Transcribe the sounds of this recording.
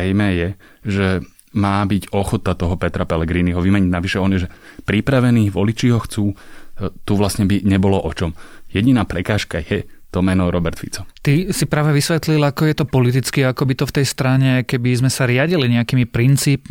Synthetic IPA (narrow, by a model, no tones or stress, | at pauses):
ɛjmɛːjɛ | ʒɛ | maːbiɟɔxɔt̪at̪ɔɦɔpɛt̪ɾapɛlɛɡɾiːniɦɔʋimɛɲiɟnaʋiʃɛɔnjɛʒɛpɾipɾaʋɛniːʋɔlit͡ʃiːɦɔxt͡suːt̪uʋlasɲɛbiɲɛbɔlɔʔɔt͡ʃɔmjɛɟinaːpɾɛkaːʃkajɛt̪ɔmɛnɔʊɾɔbɛɾt̪fḭt͡sɔt̪isipɾaːʋɛʋisʋɛt̪lilakɔjɛt̪ɔpɔlit̪̬it͡skiakɔbit̪ɔft̪ɛjst̪ɾaɲɛkɛbizmɛsaɾɪaɟiliɲɛakiːmipɾint͡siːp